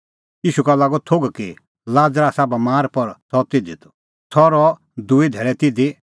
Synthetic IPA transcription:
jiːʃukɐlaːɡɔt̪ʰoɡki | laːd͡zɾasabɐmaːɾpɔɾt̪ʰɔt̪ɪd̪it̪ʰɔ̥ | t̪ʰɔɾɔ | d̪uid̪ʱɛːɾɛt̪ɪd̪i

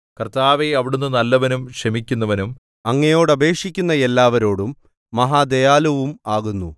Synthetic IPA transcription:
kɐrt̪aːʋeɐʋiɽunːɨnɐlːɐʋɐnumʂɐmikʲːunːɐʋɐnum | ɐŋːɐjo̞ːɽɐbʱe̞ːkʂikʲːunːɐe̞lːaːʋɐɾo̞ːɽumː | ɐɦaːd̪ejaːlɐʋumaːɣunːu

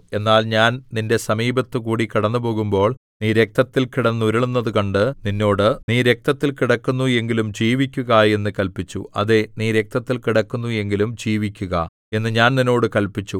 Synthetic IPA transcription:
e̞nːaːlɲaːnninde̞sɐmiːbɐt̪ːɨkuːɽikiɽɐnːup̬o̞ːɣumbo̞ːɭniːɾe̞k̚t̪ɐt̪ːilkiɽɐnːuɾiɭunːɐðɨkɐɳɖɨninːo̞ːɽɨniːɾe̞k̚t̪ɐt̪ːilkiɽɐkːunːue̞ŋɡilumd͡ʑiːʋikʲːuɣɐje̞nːɨkɐlpit͡ɕːṵɐ̰ðe̞niːɾe̞k̚t̪ɐt̪ːilkiɽɐkːunːue̞ŋɡilumd͡ʑiːʋikʲːuɣɐ̰ | e̞nːɨɲaːnnino̞ːɽɨkɐlpit͡ɕːu

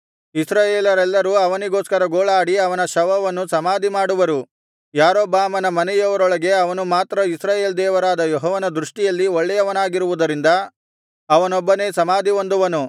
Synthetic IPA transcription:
isɾaːjeːlɐɾɛlːɐɾuɐʋɐniɡo̞ːskɐɾɐɡoːɭaːɽiɐʋɐnɐʃɐʋɐʋɐnːusɐmaːd̪imaːɽuʋɐɾu | jaːɾoːbaːmɐnɐmɐnɛjɐʋɐɾɔɭɐɡe̞ɐʋɐnumaːt̪ɾɐisɾaːjeːld̪ɛːʋɐɾaːd̪ɐjoɦɔːʋɐnɐd̪ɾuʂʈijɐlːiɔɭːɛjɐʋɐnaːɡiɾuʋud̪ɐɾind̪ɐ | ɐʋɐnɔbːɐne̞ːsɐmaːd̪ʱiond̪uʋɐnu

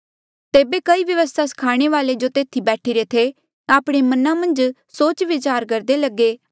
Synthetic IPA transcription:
t̪eːbeːkəiːʋjəʋəst̪ʰasə̥kʰaːɽ̃eːʋaːled͡ʒoːt̪eːt̪ʰibɛːʈʰiɾet̪ʰe | aːpɽ̃emənãːmɐ̃nd͡ʒ | soːt͡ʃʋɪt͡ʃaːɾkəɾd̪eːləɡːeː

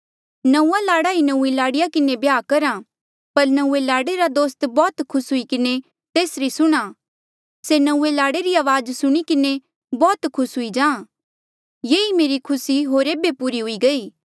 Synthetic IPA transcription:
nɐũːalaːɽaɦinɐuːelaːɽɪjakɪnebjaːkɐɾa | pɐɾnɐuːelaːɽeɾad̪oːst̪bɔːt̪kʰʊsɦʊikɪne | t̪eːsɾisʊɽ̃a | senɐ̃ũːelaːɽeɾiaːʋaːd͡ʒsʊɽ̃ikɪne | bɔːt̪kʰʊsɦʊid͡ʒãː | jeːimeːɾikʰʊsiɦoːɾeːbepuɾiɦʊiɡɐiː

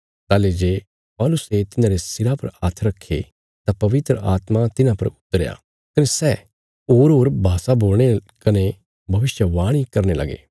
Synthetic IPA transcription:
t̪aːled͡ʒeː | pɔːlʊset̪ɪnãɾesɪɾapɐ̰ɾaːt̪ʰəɾɐkʰːḛ | t̪apɐʋɪt̪ɾəʔaːt̪mat̪ɪnãpɐɾʊt̪ːəɾja̰ː | kɐnesɛː | oːɾɦoːɾbʱaːsaboːlɽ̃ekɐne | bʱɐʋɪʃjəʋaːɽ̃ikɐɾnelɐ̰ɡḛː

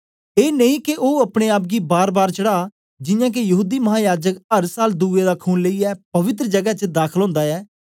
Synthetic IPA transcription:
eːnəĩːkeʔoːəpɽ̃eːaːp̚ɡiːbaːɾbaːɾt͡ʃəɽaː | d͡ʒɪjãːk̬ejəɦuːd̪iːməɦãːjaːd͡ʒəkəɾsaːld̪uːeːd̪aːkʰuːnləiːɛːpəʋɪt̪ɾd͡ʒəɡət͡ʃəd̪aːkʰəlɦõːnd̪aːɛː

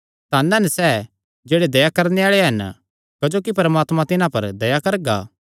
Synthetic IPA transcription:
t̪aːnɛnɛsɛː | d͡ʒeːɽed̪ɐjakɐɾneaːɭeɦɐn | kɐd͡ʒoːkipɐɾəmaːt̪mãt̪ɪnãpɐɾd̪ɐjakɐɾɡa̰ː

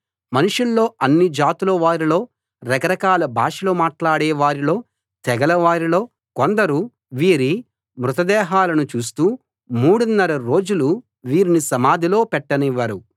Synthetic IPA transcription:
mɐnuʂulːo̞ːɐnːid͡ʒaːt̪ulɐʋaːɾilo̞ː | ɾɐkɐɾɐkaːlɐbʱaːʂɐloːmaːʈlaːɽɛːʋaːɾilo̞ː | t̪ɛɡɐlɐʋaːɾilo̞ː | kond̪ɐɾu | ʋiːɾi | mɾut̪ɐd̪ɛːɦaːlɐnut͡ʃuːst̪uː | muːɽunːɐɾɐɾo̞ːd͡ʒulu | ʋiːɾinisɐmaːd̪ʱilo̞ːpɛʈːɐniʋːɐɾu

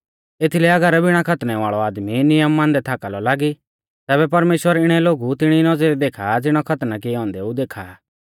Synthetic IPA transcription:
et̪ʰilɛɐɡəɾɛbɪɽ̃akʰɐt̪nɛʋaːɭɔaːd̪minɪjəmːãːnd̪ɛt̪ʰaːkalɔlaːɡi | t̪ɛːβɛpɐɾmeːʃwəɾɪɽ̃ɛloːɡut̪ɪɽ̃inɔd͡zeɾid̪eːkʰad͡zɪɽ̃ɔkʰɐt̪nak̬ɪɛɔ̃ːnd̪ɛud̪eːkʰa

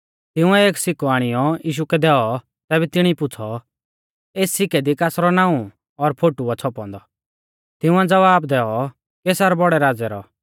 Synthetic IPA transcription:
t̪ɪ̃ʊ̃ɛeːksɪkɔaːɽ̃ɪjɔjiːʃ̬ukɛd̪ɛːɔ | t̪ɛːbɛt̪ɪɽ̃ipʊt͡sʰɔ | eːsːɪkɛd̪ikasɾɔnãːũ | ɔɾpʰoːʈuat͡sʰɔpɔ̰̃nd̪ɔ | t̪ɪʊ̃ãd͡zɐʋaːbd̪ɛːɔ | keːsaɾɔbɔɽɛɾaːd͡zɛɾɔ̰

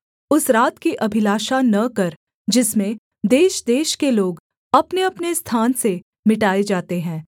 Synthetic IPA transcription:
ʊsɾaːt̪kiʔɐbʱɪlaːʃanɐkɐɾ | d͡ʒɪsmẽ | d̪eːʃd̪eːʃkeloːɡ | ɐpneɐpnest̪ʰaːnse | mɪʈaːed͡ʒaːt̪eɦɛ̃ː

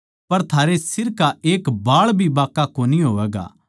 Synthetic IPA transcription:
pɐɾt̪ʰaːɾesɪɾkaeːkbaːɭbʱibaːkːakoːniɦoːʋɛːɡa̰ː

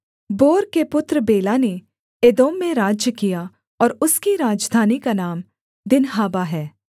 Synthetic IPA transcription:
boːɾkepʊt̪ɾəbeːlane | eːd̪oːmːẽɾaːd͡ʒjəkija | ɔːɾʊskiɾaːd͡ʒd̪ʱaːnikanaːm | d̪ɪnɦaːbaɦɛː

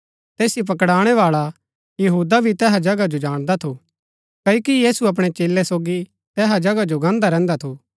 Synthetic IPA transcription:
t̪eːsjip̬ɐkɽaːɽ̃ɛʋaːɭa | jɐɦuːd̪abʱit̪ɛːɦad͡ʒɐɡad͡ʒod͡ʒaːɽ̃d̪at̪ʰo | kɐjokijiːsuɐp̬ɽ̃et͡ʃeːlːɛsoːɡi | t̪ɛːɦad͡ʒɐɡad͡ʒoɡãːnd̪aɾɛ̃ːnd̪at̪ʰoː

